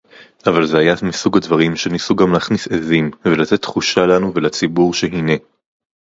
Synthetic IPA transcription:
avalzeajamisuɡadvaʁimʃenisuɡamleːχnisezimvelat̪e̞tːχuʃalanuvelat͡sibuʁʃeɦine̞

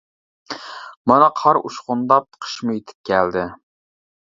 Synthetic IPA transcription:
mɑnɑqʰɑɾuʃqʊnd̪ɑp̚qʰə̥ʃmʊjet̪ʰɪ̥p̚kʲʰæld̪ɪ

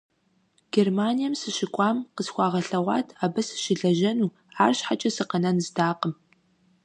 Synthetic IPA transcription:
ɡ̥ermaːnijɐmsɨɕɪkʷʼɑːmqəsxʷɑːʁɐɬɐʁʷɑ̰ːtʰaːbɐsɨ̥ʃɪɮɐʒɐnuː | aːrɕħat͡ʃʼɐsɨqɐnɐnzdaːqəm

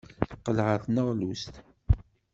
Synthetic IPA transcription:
θqəlʁəθnəʁlust̪

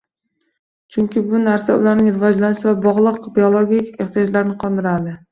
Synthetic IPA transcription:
t͡ʃʰʊŋkʲɪbʊnaɾsaʊ̰lˠaɾnɪŋɾɪvɒd͡ʒlanɪʃɪvabɒʁlˠɨqbiolˠoɡʲikʲeχt̪ʰijɒd͡ʒlaɾɪnɪqʰɒnd̪ɪɾad̪ɪ

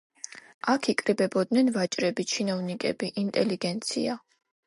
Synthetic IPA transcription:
akʰikʼɾibɛbɔd̪nɛnvat͡ʃʼɾɛbit͡ʃʰinɔvnikʼɛbiʔint̪ʼɛliɡɛnt̪sʰḭa

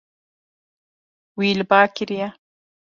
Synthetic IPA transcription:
wiːlbaːkiɾija

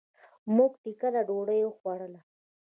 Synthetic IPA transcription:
muɡʈ̪ikalaɖoɽəjoxwaɽəla

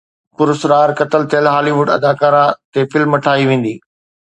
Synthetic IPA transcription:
pʊɾʊsɾaːɾkɐt̪əlt̪ʰelɦaːliʋʊɖɐ̰d̪aːkaːɾãt̪efɪlmːɐʈʰaːiʋẽːn̆d̪iː

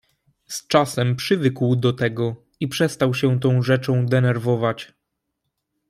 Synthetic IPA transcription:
st͡ʂasɛmpʂɘvɘkwd̪ɔt̪ɛɡɔ | ipʂɛst̪awɕɛt̪ɔ̃w̃ʐɛt͡ʂɔ̃w̃d̪ɛnɛɾvɔvat͡ɕ

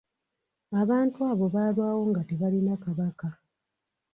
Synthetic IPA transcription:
aβaːntuaːβo̞βaːlwaːwo̞ŋɡate̞βalinakaβaka

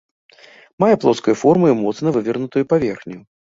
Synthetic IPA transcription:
majɛplˠɔskɐjufɔrmɨimɔt̪snɐvɨvʲɛrnut̪ɨjupavʲɛrxnʲiju

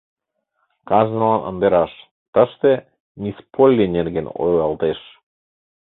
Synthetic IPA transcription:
kɑʒnəlɑnʔə̰̆nd̪eɾɑʃ | t̪əʃt̪e | nʲispʰolʲːinerɣeno̰jlɑlt̪eʃ

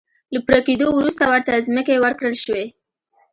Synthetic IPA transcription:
lapɾaked̪owɾust̪awəɾt̪azməkewəɾkɽəlʃwe

